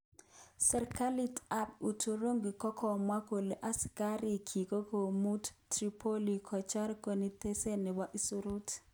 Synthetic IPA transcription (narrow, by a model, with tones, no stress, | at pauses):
sɛ˨ɾka˦li˦ta˦p̚u˨tʰo˦ɾo˦ŋɡi˨kɔ˦kʰɔ˨mwa˦ko˨le˨ʔa˦ska˦ɾi˨kʰi˨ko˦ko˨mu˦ttɾi˦pʰo˦li˨kʰɔ˨t͡ʃa˦ɾko˨ni˦te˦se˦nɛ˨wa˦ʔi˦su˦ɾu˦t